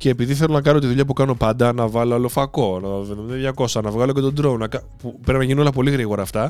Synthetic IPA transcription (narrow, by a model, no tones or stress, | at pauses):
ce̞ːpiðiθe̞lo̞nɐk̬ɐno̞t̪iðuʎɐpukɐno̞pɐnd̪ɐnɐvɐloɐlo̞fɐko̞nɐveðemiðɐðʝɐko̞sɐnɐvɣɐlo̞ce̞t̪od̪ɾonɐkɐ | pupɾepinɐʝinio̞lɐpo̞liɣɾiɣo̞ɾɐːft̪ɐ